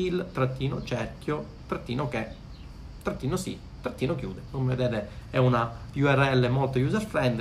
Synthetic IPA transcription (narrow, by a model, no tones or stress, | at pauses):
ilt̪ɾat̪ːiːnot͡ʃɛɾkjo | t̪ɾat̪ːiːnoke | t̪ɾat̪ːiːnosḭ | t̪ːɾat̪ːiːnokjṵːd̪ekomeved̪ɛːt̪eɛunapjuɛrɛlːemolt̪ojuːzalfɾɛnd̪